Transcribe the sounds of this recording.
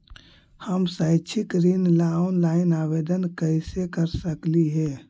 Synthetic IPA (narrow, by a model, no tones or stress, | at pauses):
həmsəɪt͡ʃʰikɾinlaonlaɪnabed̪ənkəɪsekəɾsəkliɦɛ